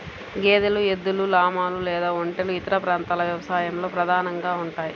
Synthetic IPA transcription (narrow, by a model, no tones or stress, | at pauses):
ɡeːd̪elue̞d̪ːululaːmaːlulɛːd̪aːoɳʈeluit̪ɐɾɐpɾaːnt̪aːlɐʋjɐʋɐsaːjɐmlo̞ːpɾɐd̪ʱaːnɐŋɡaːuɳʈaːji